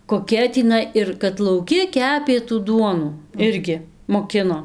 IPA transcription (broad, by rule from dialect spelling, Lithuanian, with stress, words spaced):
koːˈkʲɛ tʲiːˈnɐɪ ɪr kɐt lˠɐʊˈkʲɪ ˈkʲæːpʲeː tuː ˈduɔnuː ˈɪrʲɡʲɪ moːˈkʲɪnoː